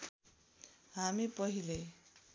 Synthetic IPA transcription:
ɦamipʌɦile

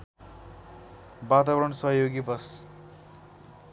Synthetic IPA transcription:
bat̪abʌɾʌɳsʌɦjoɡibʌs

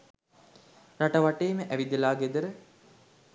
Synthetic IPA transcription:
ɾaʈɐʋaʈeːməʔæʋid̪elaːɡed̪əɾə

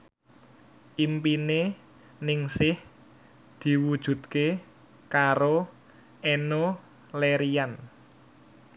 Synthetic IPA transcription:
ʔimpine | nɪŋsɪh | d̪̥i̤wud̥ʒ̥ṳt̪̚ke | kaɾo | ʔeno | leɾian

